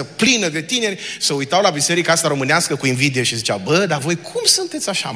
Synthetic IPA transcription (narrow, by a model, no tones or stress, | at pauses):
əplinəd̪e̞t̪ine̞ɾʲsəujt̪awlabise̞ɾikaast̪aɾo̞mɨneaskəkuinvid̪eoʃizit͡ʃawbəd̪avo̞jkʰumsunt̪e̞t̪sʲaʃa̰